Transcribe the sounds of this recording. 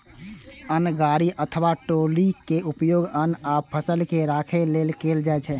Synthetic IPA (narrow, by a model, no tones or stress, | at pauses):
ənɡaːɾiʔət̪ʰəʋaʈolikeʔupjoːɡənapʰəsəlkeɾakʰeleːlkeːld͡ʒaɛt͡ʃʰɛ